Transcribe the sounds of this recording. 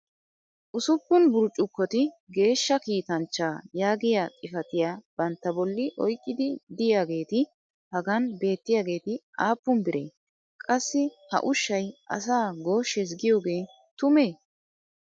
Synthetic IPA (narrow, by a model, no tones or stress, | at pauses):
ʔʊsʊpːʊnbʊɾt͡ʃʼːʊkːɔt̪ɪɡe̞ːʃːɐkiːt̪ɐnt͡ʃːaːjaːɡɪjaːt͡sʼɪfɐt̪ɪjaːb̥ɐnt̪ːɐbɔlːɪʔɔjkʼːɪd̪ɪd̪ɪjaːɡe̞ːt̪ɪ | hɐɡɐnbe̞ːt̪ːɪjaːɡe̞ːt̪ɪʔaːpːʊmbɪɾḛː | kʼɐsːɪhɐ̰ʔʊʃːɐjʔɐ̰s̬aːɡo̞ːʃɛs̬ɡɪjo̞ːɡe̞ː | t̪ʊmeː